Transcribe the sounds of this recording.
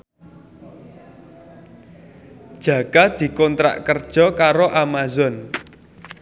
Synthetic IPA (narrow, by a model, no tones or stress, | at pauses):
d̥ʒ̥ä̤ɡ̥ad̪̥i̤kɔnt̪ɾa̰ʔkərd̥ʒ̥ɔ̤kaɾoʔamazɔn